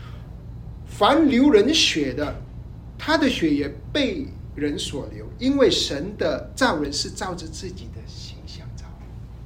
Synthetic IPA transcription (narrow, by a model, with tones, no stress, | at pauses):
fa˧˥nljo˧˥ʊɻə˧˥nɕɥɛ˨˩d̪ə˦ | t̪ʰa˥d̪ə˨ɕɥɛ˧˥jɛ˨˩pe˥˩ɪ | ɻə˧˥nswɔ˨˩ljo˧˥ʊi˥nwe˥˩ɪʂə˧˥nd̪ə˧t͡sɑ˥˩ʊɻə˧˥nʂɻ̩˥˧t͡sɑ˥˧ʊʈ͡ʂə˥˧t͡sɹ̩˥˩t͡ɕi˨˩d̪ə˦ɕi˧˥ŋɕjɑ˥˧ŋt͡sɑ˥˩ʊ